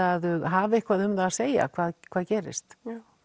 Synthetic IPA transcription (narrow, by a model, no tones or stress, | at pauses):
aðʏɦaːvɪɪhkvaːðʏmɾaseːja̰kʰvaːðkʰvaːðcɛːɾɪ̰st̪